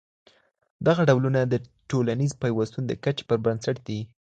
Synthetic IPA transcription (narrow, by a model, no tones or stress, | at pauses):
d̪aɣaɖawlunad̪əʈolanizpajwast̪und̪əkat͡ʃe̥pəɾbansaʈd̪i